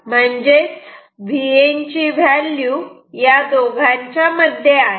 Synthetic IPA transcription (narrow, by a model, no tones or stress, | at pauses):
m̤əɳd͡ʑe | ʋient͡ɕiʋælju | jad̪oɡʱaɲt͡ɕjaməd̪ʱjeaɦe